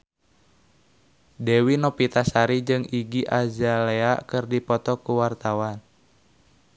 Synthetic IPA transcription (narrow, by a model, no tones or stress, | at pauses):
dewinɔpit̪asaɾid͡ʒɨŋiɡiʔazaleakɨrdipɔt̪ɔkuwart̪awan